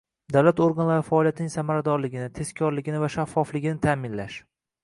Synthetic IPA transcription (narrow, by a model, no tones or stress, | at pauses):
d̪awlat̪oɾɡanlaɾɪfaɒːlijat̪ʰɪnɪŋʲsamaɾad̪ɒɾlɪɡʲɪnɪt̪ʰe̞skʲʰɒɾlɪɡʲɪnɪvaʃafːɒflɪɡʲɪnɪt̪ʰaːmɪnlaʃ